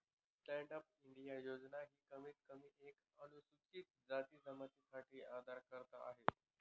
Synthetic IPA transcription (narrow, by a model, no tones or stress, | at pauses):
sʈɛɳɖəp̚iɳɖijajod͡znaɦiːkəmiːt̪kəmiːʔek | əñusut͡ɕiːt̪̚d͡zat̪iːsəmat̪isaʈʰiːad̪ʱaɾkəɾt̪a̰aɦet̪